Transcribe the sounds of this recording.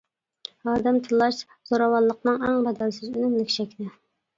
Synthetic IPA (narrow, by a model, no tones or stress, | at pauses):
hɑːd̪ɛmt̪ʰɨlˠɑʃ | z̥oɾɑwɑnlˠəqnɨŋæŋbɑd̪ælsɪzynymlɪkʲt͡ʃʰɛkʲd̪ɪ